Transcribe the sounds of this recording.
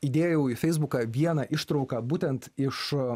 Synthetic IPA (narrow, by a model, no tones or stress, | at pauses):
iːd̪ʲeːjojɛʊifʲɛɪzbʊkɑʋʲiɛnɐʔɪʃt̪ɾɒʊkɑbuːt̪ʲɛnt̪ɪʃ